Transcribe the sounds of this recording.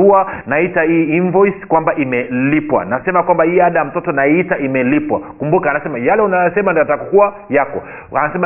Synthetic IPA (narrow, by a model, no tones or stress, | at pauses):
uanaitaiinvɔjskwambaʔimɛlipwa̰nasɛmakwambahiːaɗaam̩tɔtɔnaitaimɛlipwa̰kumbukaːnasɛmajalɛunajasɛmandiɔatakɔkua | jakɔ | a̰nasɛma